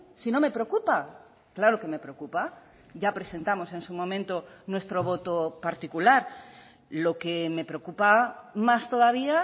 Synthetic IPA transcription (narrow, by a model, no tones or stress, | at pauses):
sino̞me̞pɾeokupa | klaɾo̞ke̞me̞pɾeokupa | ʝapɾe̞se̞nt̪amo̞se̞nsumõ̞mẽnt̪o̞nwe̞st̪ɾo̞β̞o̞t̪opaɾt̪ikulaɾ | lo̞ke̞me̞pɾeokupamast̪o̞ðaβ̞ia